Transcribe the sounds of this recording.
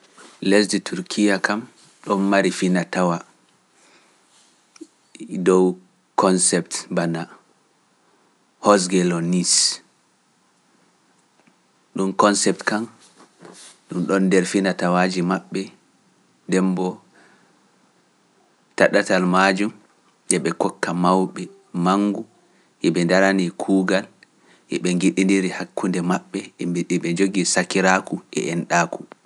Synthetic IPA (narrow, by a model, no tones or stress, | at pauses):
lɛs̬ditʰuɾkʰijakam | ɗɔnːaɾifinatawa | dɔw | kʰɔnsɛptbana | hɔs̬ɡɛlɔnis | ɗumkɔnsɛp̚tkan | ɗumɗɔndɛɾfinatawaːd͡ʒimaɓːɛ | dɛmbɔ | taɗatalmad͡ʒum | ʔɛɓɛkɔkːamawɓɛ | maŋɡu | ʔɛɓɛndaɾanikʰuːɡal | ʔɛ̰ɓɛŋɡiɗindiɾihakʰːundɛmaɓːɛɛɓɛd͡ʒoɡisakiɾakuʔɛ̰ʔɛnɗaku